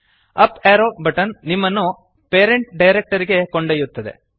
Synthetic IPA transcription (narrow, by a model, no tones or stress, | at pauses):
ɐpeːɾoːbʱɐʈɐnːimːɐnːu | peːɾeɳʈ̚ɖɐjɾek̚ʈɐɾiɡe̞koɳɖɐjut̪ːɐd̪e̞̰